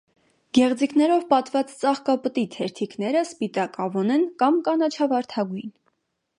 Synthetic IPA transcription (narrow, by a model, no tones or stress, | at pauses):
ɡ̥ɛʁd͡ziknɛɾɔvpɑt̪vɑt͡st͡sɑχkɑpət̪it̪ʰɛɾt̪ʰiknɛɾəspit̪ɑkɑvɔnɛnkɑmkɑnɑt͡ʃʰɑvɑɾt̪ʰɑɡujn